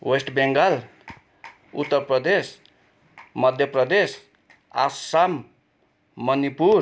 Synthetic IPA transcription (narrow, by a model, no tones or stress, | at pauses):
wesʈbeŋɡal | ṵt̪ːəɾpɾʌd̪es | mʌd̪ʱjʌpɾʌd̪es | a̰ssamː | ʌnipuɾ